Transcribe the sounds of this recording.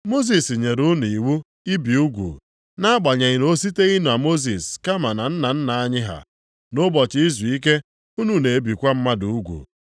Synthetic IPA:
mo˦s̬i˨si˨ɲe˨ɾu˦ni˨wu˦ | i˦bi˨u˦ɡʷṵ˨ | na˦a˦ɡ͡ba˨ɲe˨ɪ˨ɾo˦s̬i˦te˦i˦nu˨a˨mo˦z̬i˨ska˦ma˨na˨n̩˦na˨n̩˦na˨a˦ɲɪ˦ɦa̰˨ | nʊ˦bɔ˨t͡ʃɪ˦i˦zu˨i˦k̬e˦ | u˦nu˨ne˨e˦bi˨kʷa˦m̩˦ma˦du˨u˦ɡʷṵ˨

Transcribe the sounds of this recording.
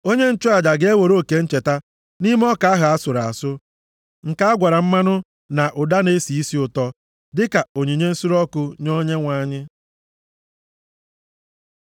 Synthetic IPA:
o˦ɲe˦n̩˦t͡ʃʊ˦a˨d͡ʒa˨ɡe˦wo˨ɾo˦˨ke˨n̩˦t͡ʃe˨ta˦ | ni˦m˦ɔ˦ka˨˦a˦ɦa˨a˦sʊ˨ɾa˨a̰˨sʊ˦ | ŋ̩˨ka˦a˦ɡʷa˨ɾa˨m̩˦ma˦nʊ˦ | na˨ʔʊ˨da˦ne˦si˨i˦si˦ʊ˨tɔ˦ | dɪ˦ka˨o˨ɲi˨ɲe˦n̩˦su˦ɾɔ˦kʊ˦ɲo˦ɲe˦ŋʷa˦ɲɪ˦

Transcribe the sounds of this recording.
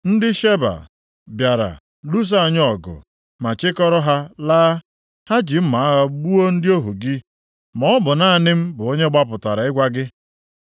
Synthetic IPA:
n̩˦dɪ˦ʃe˦ba̰˨ | bja˨ɾa̰˨ | lu˦s̬a˦˨ɲ˦ɔ˨ɡʊ̰˨ | ma˨t͡ʃɪ˦kɔ˦ɾɔ˦ɦa˦laː˦ | ha˦d͡ʒi˨m̩˦ma˨a˦ɣa˦ɡ͡bu˦o˦n̩˦dɪ˦o˦ɦu˨ɡɪ˦ | mɔ˦bʊ˨na˦˨nɪ˦m̩˦bʊ˨o˦ɲe˦ɡ͡ba˦p̬ʊ˨ta˨ɾa˨ɪ˦ɡʷa˦ɡɪ˦

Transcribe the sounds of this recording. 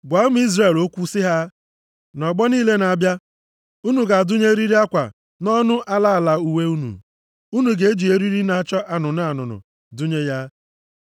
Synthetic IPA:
ɡʷa˨˦m˦i˦zre˨lo˦kʷu˦sɪ˦ɦa˦ | nɔ˨ɡ͡bɔ˦niː˦le˦na˨bja˦ | u˦nu˨ɡa˨dʊ˦ɲe˦ɾi˦ɾi˦a˦kʷa̰˨ | nɔ˦nʊ˦ʔa˦la˦˨la˨u˨we˦u˦nṵ˨ | u˦nu˨ɡe˨˦e˦d͡ʒi˨e˦ɾi˦ɾi˦na˦t͡ʃɔ˦ʔa˨nʊ˨na˨a˨nʊ̰˨nʊ̰˨ | dʊ˦ɲe˦ja˦

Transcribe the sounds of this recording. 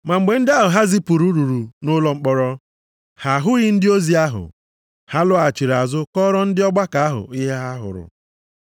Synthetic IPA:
ma˨ŋ͡m̩˨ɡ͡be˨n̩˦dɪ˦a˦ɦʊ˨ɦa˦zi˦pu˨ɾu˦ɾu˨ɾu˨nʊ˦lɔ˦ŋ͡m̩˦k͡pɔ˦ɾɔ˦ | ha˨ɦʊ˦ɣɪ˦n̩˦dɪ˦o˦zi˨a˦ɦʊ̰˨ | ha˦lʊ˦a˨t͡ʃi˨ɾa˨zʊ˦kɔ˦ɾɔ˦n̩˦dɪ˦ɔ˦ɡ͡ba˦ka˨a˦ɦʊ̰˨i˦ɦe˦ɦa˦ɦʊ̰˨ɾʊ̰˨

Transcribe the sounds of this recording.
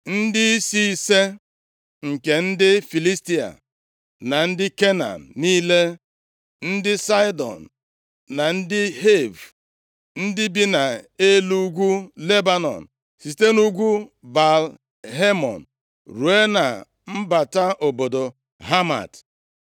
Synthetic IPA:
n̩˦dɪ˦si˦i˦se˦ | ŋ̩˨ke˨n̩˦dɪ˦fi˨li˦sti˦a̰˨ | na˨n̩˦dɪ˦ke˦na̰˨nniː˦le˦ | n̩˦dɪ˦sa˦jdɔ̰˨n̩˨ | na˨n̩˦dɪ˦ɦe˦˨v | n̩˦dɪ˦bi˦na˨e˦lu˦ɡʷu˦le˦ba˦nɔ̰˨n̩˨ | si˨te˦nu˦ɡʷu˦ba˨l | ɦe˦mɔ̰˨n̩ | ɾu˨e˦na̰˨ | m̩˦ba˨ta˦ʔo˨bo˨do˨ | ɦa˦ma̰˨t

